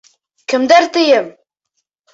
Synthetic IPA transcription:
kəmd̪æɾt̪ijəm

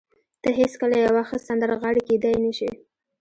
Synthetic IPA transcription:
t̪əɦeskəlajawɑxəst̪sand̪əɾaɣɑɽiked̪ajnəʃi

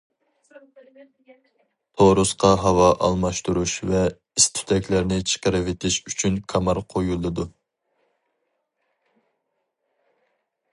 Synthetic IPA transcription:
t̪ʰoɾusqʰɑɦɑwɑʔɑ̰lˠmɑʃt̪uɾuʃvɛ | ist̪ʰy̥t̪ʰɛkʲlæɾnɪt͡ʃʰə̥qəɾɪvet̪ʰɪʃyt͡ʃʰynkʰɑmɑɾqʰojulˠɨd̪u

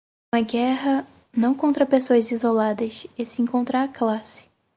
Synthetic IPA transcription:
ũmɐɡɛɦɐ | nɐ̃w̃kõnt̪ɾɐpesoɐzizolad̪ɐsesɪẽkõnt̪ɾaaklasɪ̥

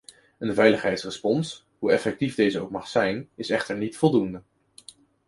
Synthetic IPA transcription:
ənvɛjləχɦɛjtsrəspɔns | ɦuɛfɛk̚tivdejzəowk̚mɑχsɛjnɪsɛχtəɹnitfɔlˠdundə

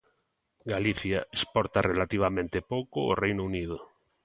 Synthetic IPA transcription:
ɡaliθjaespɔɾt̪arelat̪iβ̞amẽnt̪epokoorejnounið̞o

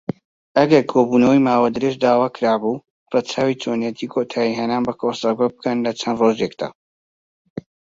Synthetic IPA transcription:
ɐɡɐɾkʰoːbunɐwijmaːwad̪ɨɾeʒd̪aːwaːkɨɾaːbu | rɑt͡ʃʰaːwiːt͡ʃʰoːnjɛt̪ʰiːkʰoːt̪ʰaːjiɦɛnaːnbɐkʰosɐbɐbɨkɐnlɐt͡ʃʰɐnd̪roːʒjekd̪a̰ː

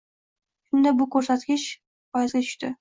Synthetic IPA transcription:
ʃʊnd̪abʊkʰɵɾsat̪ɡʲɪʃ | ɒjazɡʲat̪ʰʊ̥ʃt̪ɪ

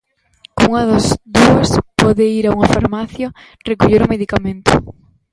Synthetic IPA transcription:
kouŋɐðozd̪uɐspɔðɪiɾauŋɐfaɾmaθjo | rekuʎeɾʊmeðikamẽnt̪ʊ̰

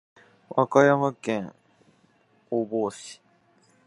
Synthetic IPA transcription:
βakajamakẽŋ | oboːɕi̥

